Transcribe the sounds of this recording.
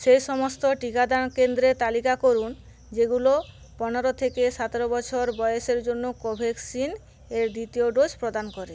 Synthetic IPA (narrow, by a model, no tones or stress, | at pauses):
ʃejʃɔmost̪oʈikad̪ankend̪ɾet̪alikakoɾun | d͡ʑeɡulo | pɔneɾot̪ʰekesat̪eɾobɔt͡ɕʰoɾbɔjoseɾd͡ʑonːokobʱeksin | eɾd̪it̪ioɖod͡ʑpɾod̪ankɔɾe